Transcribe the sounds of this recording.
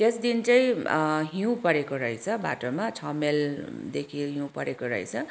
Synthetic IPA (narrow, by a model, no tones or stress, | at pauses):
t̪esd̪int͡sʌj̃ɦiũpʌɾekoɾʌjt͡sʰʌba̰ʈomat͡sʰʌmeld̪ekʰiɦĩũpʌɾekoɾʌ̰jt͡sʰʌ